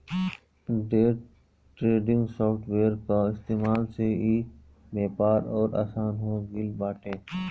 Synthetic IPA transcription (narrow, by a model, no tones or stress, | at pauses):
ɖeːʈ | ʈɾeːɖɪ̃ŋɡsoːfʈʰʋeːɾkaɪst̪eːmaːlseːiː | beːpaːɾɔːɾa̰ːsaːnɦõːɡɪlbaːʈeː